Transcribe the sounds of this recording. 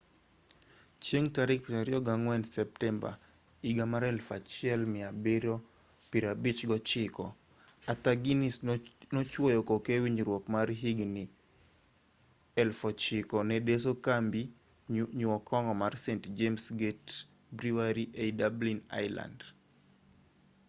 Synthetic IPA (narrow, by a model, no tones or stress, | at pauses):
t͡ʃjeŋtaɾik̚piɾaɾiɔɡaŋwɛnsɛp̚tɛmba̰ | iɡamaɾɛlfat͡ʃɪɛlmɪabeɾɔ | piɾabit͡ʃɡɔt͡ʃɪkɔ | at̪aɡinisnot͡ʃwojɔkokewiɲɾwɔkmarɦiɡni | ɛlfɔt͡ʃɪkɔnɛdes̬okambi | ɲuɔkʰɔŋɡɔmarsentd͡ʒemsɡet | bɾiwaɾiʔedablina̰ɪla̰nd